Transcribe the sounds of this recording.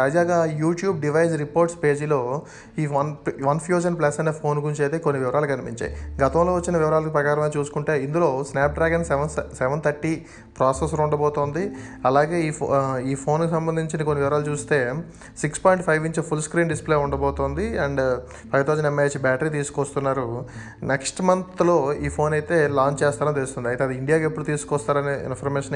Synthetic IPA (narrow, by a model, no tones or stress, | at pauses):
t̪aːd͡ʒaːɡaːjuːʈjuːb̚ɖiʋɐjd͡ʒɾipoːɾʈspe̞ːd͡ʒilo̞ː | iːʋɐʋɐnpʰjuːd͡ʒɐnplɐsɐneːpʰo̞ːnɡuuɲt͡ʃejt̪eːkonːiʋiʋɐɾaːlɐkɐnipiɲt͡ʃa̰ːjiɡɐt̪ɐw̃loːʋɐt͡ʃːinɐʋiʋɐɾaːlɐkipɾɐkaːɾɐmeɐt͡ʃuːsu̥kuɳʈe̞ːind̪ulo̞ːsnaːp̚ɖɾaːɡɐnsʋɐnsɛʋɐnt̪ʰɐɾʈːiː | pɾaːsesluɳɖɐbɔːt̪oːnd̪i | ɐlaːɡe̞ːiːiːpʰo̞ːnkisɐmbɐnd̪ʱiɲt͡ʃinɐkonːiʋiʋɐɾaːlut͡ʃuːst̪e̞ː | sikspaːjiɳʈpʰɐjʋiɲt͡ʃpʰulskɾiːɳɖisple̞ːuɳɖɐbɔːt̪oːnd̪iɐɳɖ | pʰɐjʋt̪ʰaːzɐnemːet͡ʃbaːʈɐɾit̪̬iːsu̥kɔst̪unːaːɾu | neksʈmɐnt̪lo̞ːiːpʰo̞ːnɐjt̪e̞ːlaːɲt͡ʃt͡ʃeːst̪aːɾɐnit̪elust̪und̪iɐjt̪eːɐd̪iiɳɖijaːɡepːuɽut̪iːsu̥kɔst̪aːɾɐneːḭnpʰɐɾmeːʃɐn